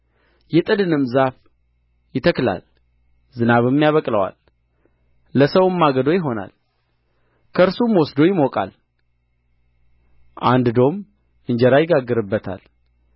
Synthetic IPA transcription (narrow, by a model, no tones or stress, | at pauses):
jɛt̪ʼɨd̪ɨnɨmzaf | jɪt̪ʰəkla̰l | zɨnaβɨmːjaβəkʼləwa̰l | əsəwɨmːaɡəd̪o̞jɪɦo̞na̰l | kʰəɨɾsumwɔsd̪o̞jɪmokʼa̰l | ʔand̪d̪o̞m | ʔɨɲd͡ʒɛɾajɪɡaɡːɨɾɨbːət̪ʰa̰l